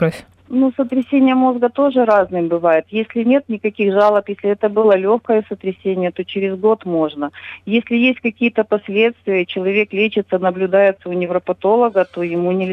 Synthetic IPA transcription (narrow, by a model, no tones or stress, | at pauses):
asʲ | nusət̪ɾʲɪsʲenʲɪjəmo̞zɡət̪o̞ʐɨɾaznɨmbɨvajɪt̪jesʲlʲɪnʲe̞t̪nʲɪkɐkʲixʐalˠəpjesʲlʲɪɛt̪əbɨlˠəlʲoxkəjəsət̪ɾʲɪsʲenʲɪjət̪o̞t͡ɕɪɾʲɪzɡo̞t̪mo̞ʐnəjesʲlʲɪjesʲtʲkɐkʲijət̪əpɐsʲlʲe̞t̪st̪vʲɪjət͡ɕɪlˠɐvʲe̞klʲet͡ɕɪt̪sənəblʲʊd̪ajɪt̪səʊnʲɪvɾəpɐt̪o̞lˠəɡət̪o̞jɪmunʲɪlʲ